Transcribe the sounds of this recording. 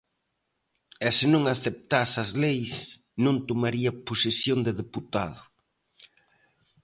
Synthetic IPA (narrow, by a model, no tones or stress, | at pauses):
ɛsɪnõŋaθep̚t̪asɐzlejs | nõnt̪omaɾiɐposesjõnd̪ɪðeput̪aðʊ